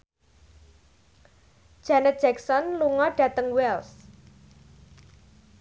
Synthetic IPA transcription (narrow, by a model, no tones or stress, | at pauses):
d̥ʒ̥anɛt̪̚ʒ̥ɛksɔnluŋɔɖ̥ä̤t̪əŋwɛls